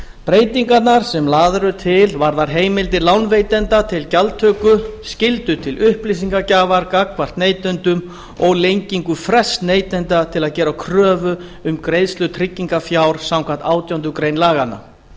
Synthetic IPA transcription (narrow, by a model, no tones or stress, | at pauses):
pɾeːjt̪iŋkat̪naɾ̥sɛmlaːðɾʏt̪ʰɪlvaɾðaɾ̥ɦeːjmɪlt̪̬ɪlawnvejt̪ɛnt̪at̪ʰɪlcalt̪ʰœːkʏscɪlt̪ʏt̪ʰɪlʔʏhplisiŋkacaːvaɾkakʰvar̥t̪neːjt̪ɛnt̪ʏm | ɔɣlejɲciŋkʏfɾɛst̪neːjt̪ɛnt̪at̪ʰɪlaðcɛːɾawkʰɾœːvʏ | ʏmkɾejðst̪lʏt̪ʰɾɪcːiŋkafjawɾ̥sawmkʰan̥t̪aːwt̪jawnt̪ʏkɾejnlaːɣana̰